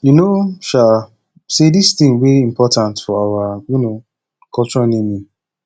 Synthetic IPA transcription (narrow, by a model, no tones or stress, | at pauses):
junoʃal | sedist̪ɪ̃ŋwɛiimpɔtãntfɔawajuno | kɔlt͡ʃɹɔnĩmi